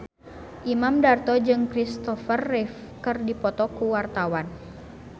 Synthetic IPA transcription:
ʔimamdart̪ɔd͡ʒɨŋkɾist̪ɔfərːɛf | kɨrdipɔt̪ɔkuwart̪awan

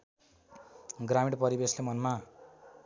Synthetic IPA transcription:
ɡramiɽpʌɾibeslemʌnma

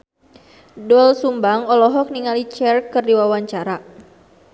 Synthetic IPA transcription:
dɔlsumbaŋɔlɔɦɔk̚niŋalit͡ʃɛrkːɨrdiwawaɲt͡ʃaɾa

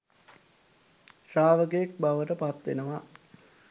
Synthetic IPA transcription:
ʃaːʋəkəjek̚baʋəʈəpat̪ʋḛnəʋa

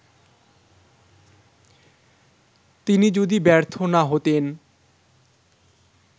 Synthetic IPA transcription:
t̪inid͡ʑod̪ibɛɾt̪ʰonaɦot̪en

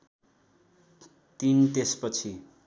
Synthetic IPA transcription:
t̪int̪espʌt͡sʰi

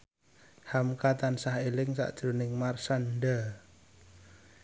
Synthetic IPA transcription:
hamkat̪ansaɦelɪŋsa̰ʔd̥ʒ̥ɾonɪŋmarsanɖə

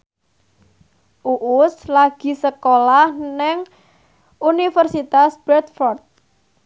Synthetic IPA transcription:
ʔuʔʊslaɡ̥i̤səkolahnɛŋ | unifərsit̪asbɾɛt̪̚fɔrt̪̚

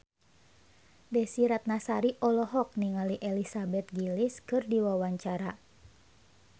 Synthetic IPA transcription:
dɛsiɾat̪̚nasaɾiʔɔlɔɦɔk̚niŋaliʔɛlisabɛt̪̚ɡiliskɨrdiwawaɲt͡ʃaɾa

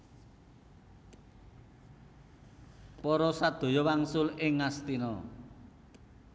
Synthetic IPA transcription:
pɔɾɔsad̪̥o̤jɔwaŋsʊlɪŋːast̪inɔ

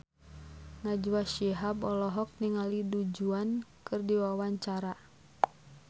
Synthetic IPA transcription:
ŋad͡ʒuwaʃiɦabɔlɔɦɔk̚niŋalidud͡ʒuankɨrdiwawaɲt͡ʃaɾa

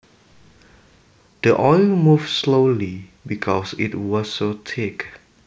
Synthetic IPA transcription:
d̥əʔɔɪlmufslolibikʰɔsḭtwɔsotʰek

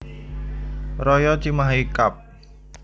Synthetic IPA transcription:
rɔjɔt͡ʃimaɦikap̚

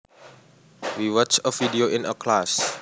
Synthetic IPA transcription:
wiwɔt͡ʃəvidioʔɪ̃nəkʰlas

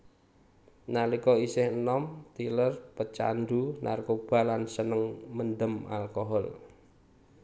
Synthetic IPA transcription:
nalikɔisɪhənɔmt̪ilərpət͡ʃa̰nd̪una̰rkob̥a̤lansənəŋmənd̪əma̰lkɔɦɔl

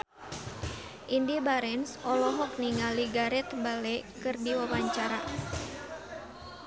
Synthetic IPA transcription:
ʔindibaɾɛnsʔɔlɔɦɔk̚niŋaliɡaɾɛt̪balɛkɨrdiwawaɲt͡ʃaɾa

